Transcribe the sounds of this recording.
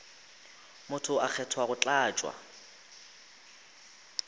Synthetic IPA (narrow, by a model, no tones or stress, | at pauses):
mʊtʰʊʔak͡xʰɛtʰwaɣʊt͡ɬʼaːt͡ʃʼwa̰